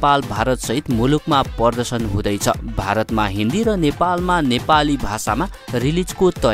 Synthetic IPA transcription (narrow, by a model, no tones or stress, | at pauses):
palbʱaɾʌt̪sʌɦit̪mulukmapʌrd̪ʌrsʌnɦũd̪ʌjt͡sʰʌ̰bʱaɾʌt̪maɦind̪iɾʌnepalmanepalibʱasamarilid͡zkot̪ʌ